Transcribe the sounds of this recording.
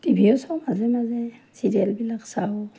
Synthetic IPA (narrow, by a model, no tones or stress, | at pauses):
tibʱiɔsɔwmazɛmazɛsidɛlbilaksaɔ